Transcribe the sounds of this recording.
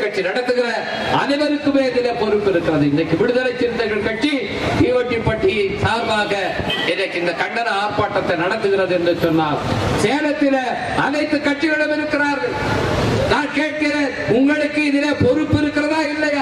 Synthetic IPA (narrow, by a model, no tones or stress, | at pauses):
kɐʈʂinɐɽɐt̪ːɯɣɪrɐ | ɐnɪʋɐɾɯkːɯmeːɪðɪleːpɔɾɯpːɪɾɯkːɪrɐðɯɪnːɐkːɯʋɪɽɯðɐlɐɪt͡ʃːɪɾɯnt̪ːɐɪɣɐɭkɐʈt͡ʃi | t̪iːʋɐʈːipːɐʈːɪjɐsaːɾʋaːɣɐ | ɛnːɐkːɯɪnd̪ɐkɐɳɖɐnɐaːɾpaːʈːɐt̪ːɐnɐɽɐt̪ːɯɣɪrɐðɯɛndɯsɔnːaːlseːlɐt̪ːɪlɐ | ɐnɐɪt̪ːɯkɐʈt͡ʃɪɣɐɭɐmɪɾɯkːɪraːɾɣɐɭ | naːnkeːʈ̚kɪɾeːnʊŋɡɐɭɯkːɯɪðɪleːpɔɾɯpːɪɾɯkːɪrɐðaːɪlːɐjaː